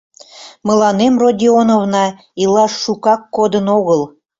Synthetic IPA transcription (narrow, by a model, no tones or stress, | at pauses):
mə̆lɑnemrodʲionovnɑ | ilɑʃːukɑkːod̪ənoɣəl